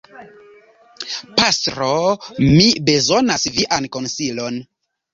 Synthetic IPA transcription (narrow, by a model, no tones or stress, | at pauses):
pastɾomibe̞zo̞nasviʔanko̞nsilo̞n